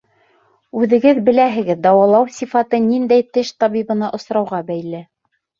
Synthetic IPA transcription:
ʉðɘ̆ɡɘðbɘ̆læɦɘ̆ɡɘðd̪ɑwɑlˠɑwsʲifɑt̪ɤnind̪æjt̪ɘʃt̪ɑβiβɤ̆nɑʔŏsɾɑwʁɑbæjlɘ

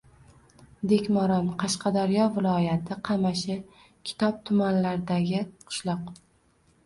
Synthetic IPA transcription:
d̪e̞kʲmɒɾɒnqʰɑʃqɑd̪aɾjɒvɪlˠɒjat̪ʰɪqʰɑmaʃɪ | kʲʰɪ̥t̪ʰɒp̚t̪ʰʊmanlaɾd̪aɡʲɪqʰʊ̥ʃlˠɒq̚

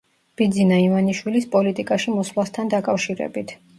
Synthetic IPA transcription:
b̥id̪zinaivaniʃwilispʼɔlit̪ʼikʼaʃimɔslˠast̪ʰand̪akʼafʃiɾɛ̰bit̪ʰ

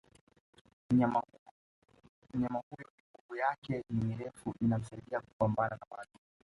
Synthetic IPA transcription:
a | m̩ɲamahujɔniɡuɡujakɛnimiɾɛfuʔinam̩saiɗiaku̥pambananawaɗu

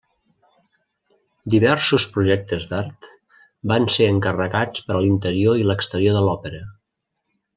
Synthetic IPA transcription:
d̪iβɛɾsuspɾuʒɛk̚t̪əzd̪aɾt̪ | banseəŋkərəɣat͡spəɾəlint̪əɾioiləkst̪əɾioðəlɔpəɾə

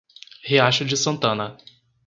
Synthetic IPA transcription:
heaʃʊd͡ʒɪsɐ̃nt̪ɐ̃nɐ

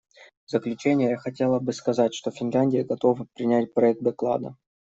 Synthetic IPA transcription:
vzəklʲʉt͡ɕenʲɪjəjaxɐtʲe̞lˠəbɨskɐzatʲʂt̪ofʲɪnlʲænʲdʲɪjəɡɐt̪o̞vɨpɾʲɪnʲætʲpɾɐɛk̚t̪d̪ɐklˠa̰d̪ə̰

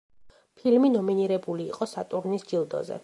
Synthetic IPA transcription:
pʰilminɔminiɾɛbuliːqʼɔsat̪ʼuɾnisd͡ʒilˠd̪ɔ̰zɛ̰

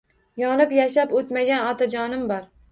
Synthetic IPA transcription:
jɒnɪpjaʃapot̪maɡʲanɒt̪ʰad͡ʒɒnɪmbɒɾ

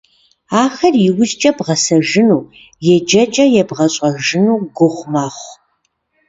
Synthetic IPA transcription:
aːxɐrjɪwʊzt͡ʃʼɐbʁɐsɐʒɨnuː | jɛd͡ʒɐt͡ʃʼɐjɛbʁɐɕʼɐʒɨnuːɡʷʊχʷmaːχʷ

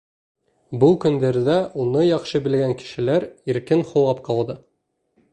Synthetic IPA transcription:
bulˠkɵ̆nd̪æɾd̪æʔunɤjɒχʃɤbɘ̆lɡæŋkɘ̥̆ʃɘ̆læɾiɾkɘnχuwɑpqɑlˠd̪ɤ

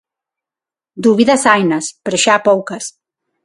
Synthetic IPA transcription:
d̪uβiðɐsajnɐspeɾoʃaːpowkɐs

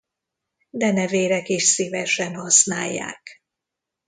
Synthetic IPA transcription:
d̪ɛnɛveːɾɛkeːʃsivɛʃɛnhɒsnaːjːa̰ːk

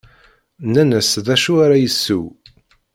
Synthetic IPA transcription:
nænəsðæʃuaɾajəsːṵw

